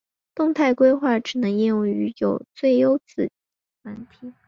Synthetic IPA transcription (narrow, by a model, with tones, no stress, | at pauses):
t̪ʊ˥˧ŋt̪ʰa˥˩ɪkwe˥ɪxwa˥˩ʈ͡ʂɻ̩˨˩nɤ˧˥ŋi˥˧ŋu˥˩y˧˥jo˨˩ʊt͡swe˥˩ɪjo˥ʊt͡sɹ̩˥˩ | na˧˥nt̪ʰi˨˧˩